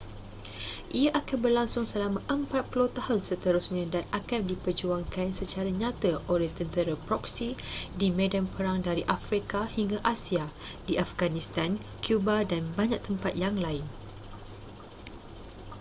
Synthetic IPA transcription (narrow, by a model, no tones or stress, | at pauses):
ʔijaʔakanbərlaŋsʊŋsəlamãʔəmpat̪̚pulot̪ahʊnsət̪əɾʊsɲãdanakandipərd͡ʒuaŋkansət͡ʃaɾaɲãt̪əʔoleht̪ənt̪əɾapɾɔksidimẽdanpəɾaŋdaɾiʔafɾikahiŋɡaʔasiadiʔafɡanist̪an | kʰjubadanbaɲak̚t̪əmpat̪̚jaŋlaɪn